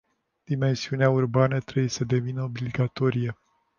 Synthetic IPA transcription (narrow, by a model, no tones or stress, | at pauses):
d̪̥ime̞nsiuneaurbanət̪ɾebujesəd̪e̞vinəobliɡat̪o̞ɾije